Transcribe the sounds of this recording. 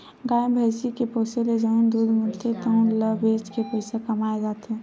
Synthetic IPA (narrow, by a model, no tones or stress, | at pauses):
ɡaːẽbʱɛːsikepoːseled͡ʒəʊnd̪uːd̪ʱmɪlt̪ʰet̪əʊnləbeːt͡ʃkepɐɪsakɐmaːed͡ʒaːt̪ɛ̃ː